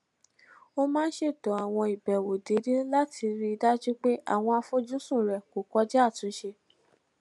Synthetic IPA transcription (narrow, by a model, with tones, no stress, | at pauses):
o˦mãː˦n̩˦ʃe˦˨tɔ˨˦a˨w̃ɔ̃˧i˨bɛ˨wo˨de˨˦de˦la˦tʰi˧ɾi˦i˧da˦d͡ʒu˦k͡pe˦ʔa̰˦˨w̃ɔ̃˧a˧fo˦d͡ʒu˦sũ˦˨ɾɛ˨ko˨kɔ˧˦d͡ʒɛ˦a˦˨tũ˨˦ʃe˧